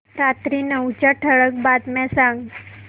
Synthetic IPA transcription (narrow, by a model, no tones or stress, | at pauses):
ɾat̪ɾinəwt͡ɕaʈʰəɭək̚bat̪mɛ̃sãŋɡ